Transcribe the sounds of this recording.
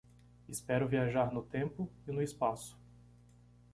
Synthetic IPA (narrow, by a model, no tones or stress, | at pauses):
ɪspɛɾʊviaʒaɾnʊt̪ẽmpʊɪnʊɪspasʊ̥